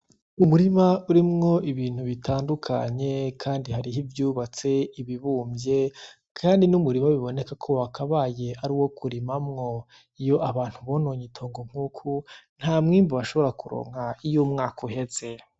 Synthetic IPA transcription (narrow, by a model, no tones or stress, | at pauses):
umuɾimauɾimŋo̞ʔiβiːn̥huβitʰaːndukʰa̰ɲe̞kʰaːndiɦaɾiɦivjuːβat͡se̞iβiβuːmbje̞ | kʰaːndinumuɾimaβiβo̞ne̞kakʰo̞wakʰaβaje̞aɾiwo̞kʰuɾimamŋo̞ | ijo̞ʔaβaːn̥huβo̞noːɲitʰo̞ːŋɡoŋ̥huːkʰun̥haːmŋiːmboβaʃo̞βo̞ɾakuɾo̰ːŋ̥haijumŋaːkʰohe̞ze̞